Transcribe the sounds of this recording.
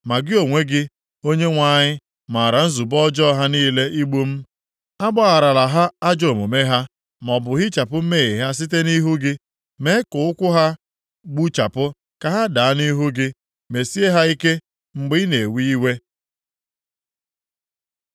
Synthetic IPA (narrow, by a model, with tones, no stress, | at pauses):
ma˨ɡɪ˦o˨ŋʷe˦ɡɪ˦ | o˦ɲe˦ŋʷa˦˨ɲɪ˦ | ma˨ɾa˨n̩˦zu˨bɔ˦d͡ʒɔ˦ɦa˦niː˦le˦ʔi˦ɡ͡bu˦m̩˦ | a˦ɡ͡ba˦a˨ɾa˨la˨ɦa˦a˦d͡ʒo˦˨mo˨me˦ɦa˦ | m˨ɔ˨bʊ˨ɦɪ˦t͡ʃa˨pʊ˦me˦i˨ɦa˦s̬i˦t̬e˦ni˦ɦu˦ɡɪ˦ | me˦ɪ˦kʊ˨ʊ˦kʷʊ˦ɦa˦ | ɡ͡bu˦t͡ʃa˨pʊ˦ | ka˨ɦa˦da˨a˦ni˦ɦu˦ɡɪ˦ | me˨si˦e˦ɦa˦i˦ke˦ | ŋ͡m̩˨ɡ͡bɪ˦ne˨wi˦i˦we˦